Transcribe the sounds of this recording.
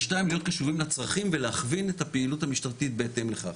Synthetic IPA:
ʃnaimlijo̞t̪̚kaʃuʁimlet͡sʁaχimveleaχvinethapeiluthamiʃt̪aʁt̪it̪̚be̞ːt̪e̞mleχaχ

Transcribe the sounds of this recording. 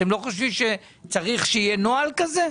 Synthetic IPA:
emlo̞χoʃ̬vimʃe | t͡saʁiχʃeijenoalkaze

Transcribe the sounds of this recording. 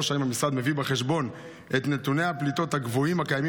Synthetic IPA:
oʃaimhamisʁad̪me̞vibeχe̞ʃbo̞n | ʔe̞t̪ne̞t̪une̞jhaplit̪o̞t̪haɡvoimakajami

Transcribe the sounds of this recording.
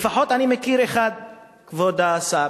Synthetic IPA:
faħot̪animekiɾeχad̪̚ | kvod̪aːsa

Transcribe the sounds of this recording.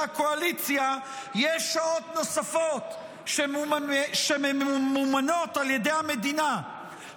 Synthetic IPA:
ako̞alit͡sja | jɛʃːao̞tno̞safo̞t̪ | ʃemʃemmumano̞t̪aljed̪ejhame̞d̪ina

